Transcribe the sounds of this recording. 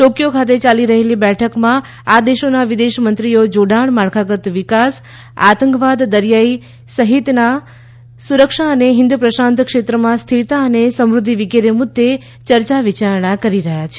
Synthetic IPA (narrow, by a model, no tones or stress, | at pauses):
ʈokijokʰat̪̬et͡ʃaliɾəɦelibɛʈʰəkmã | ad̪eʃonaʋid̪eʃmənt̪ɾijod͡ʒoɖaɳmaɾkʰaɡət̪ʋikas | a̰t̪əŋkʋad̪ːəɾjai | səɦit̪na | suɾəkʃaəneɦɪ̃nd̪upɾəʃãnt̪kʃet̪ɾəmãst̪ʰit̪aənesəmɾud̪ʱːiʋikeɾemud̪ʱːe | t͡ʃəɾt͡ʃaʋit͡ʃaɾɳ̃akəɾiɾəɦjat͡ʃʰe